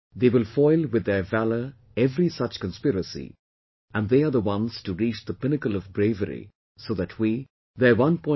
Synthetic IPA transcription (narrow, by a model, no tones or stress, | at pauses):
ðeːwɪlˠfɔɪlˠwɪd̪ːə˞vælə˞ | ɛvɾisʌt͡ʃkə̃nspɪɾəsḭ | ʔæ̃nɖðeːəðəwʌ̃nz̥tuɾit͡ʃd̪əpɪnɨkəlɔvɡɾeɪvəɾḭ | soːðætʰwi | ðəwʌ̃npɔ̃ɪ